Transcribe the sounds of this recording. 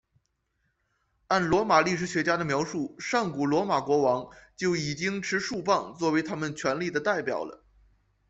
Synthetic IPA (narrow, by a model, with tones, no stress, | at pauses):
a˥˩nlwɔ˧˥ma˨˩li˥˩ʂ̬ɻ̩˧˥ɕɥɛ˧˥t͡ɕja˥d̪ə˨mjɑ˧˥ʊʂu˥˩ʂɑ˥˩ŋku˨˩lwɔ˧˥ma˨˩kwɔ˧˥wɑ˧˥ŋt͡ɕjo˥˩ʊi˨˩t͡ɕi˥ŋʈ͡ʂʰɻ̩˧˥ʂu˥˧pɑ˥˧ŋt͡swɔ˥˩we˧˥ɪt̪ʰa˥mə˨nt͡ɕʰɥɛ˧˥nli˥˩d̪ə˩t̪a˥˩ɪpjɑ̰˨˩ʊlə̰˦